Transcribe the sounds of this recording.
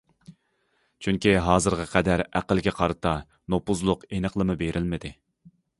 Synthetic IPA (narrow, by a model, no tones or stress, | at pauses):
t͡ʃʰyŋkʲiɦɑːzɨɾʁɑqʰɛd̪æɾæqəlɡʲɛqʰɑɾɨt̪ʰɑ | nopuzlˠʊqenəχlˠɨmɨbeɾʔɪlmɪd̪ɪ